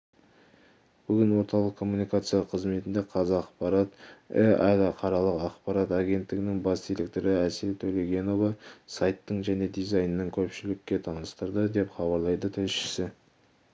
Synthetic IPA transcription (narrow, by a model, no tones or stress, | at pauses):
b̥ʏɡʲɪnwo̞ɾt̪ɑlˠəqkʰo̞mːunijkat̪sɨjɑqʰəzme̞t̪ɪnd̪e̞qʰɑzɑqːɑqpɑɾɑt̪ḛæd̪ɑqʰɑɾɑlˠəqɑqpɑɾɑt̪ɑɡʲe̞nt̪ːɪɡʲɪnɪŋbɑsd̪ilek̚t̪oɾəæsɪlt̪ʰɵle̞ɡʲe̞novɑsɑjt̪ːəɴʒæne̞d̪ijzɑjnənəŋkʲʰɵpʃɪlɪkʲːe̞t̪ʰɑnəst̪əɾd̪əd̪e̞pχɑbɑɾlˠɑjd̪ət̪ʰɪlʃɪ̥sɪ